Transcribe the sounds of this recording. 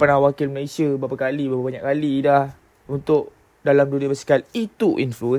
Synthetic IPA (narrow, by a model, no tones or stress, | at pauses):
panawakilməlesiəbɾapakalibapabaɲaʔkalidah | unt̪ʊʔ | dalamduniəbəsi̥kalit̪uʔḭnfluə